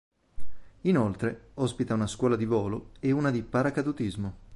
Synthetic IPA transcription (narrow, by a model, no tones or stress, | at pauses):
inolt̪ɾeɔspit̪aunaskwɔːlad̪ivɔːloeunad̪ipaɾakad̪ut̪izmo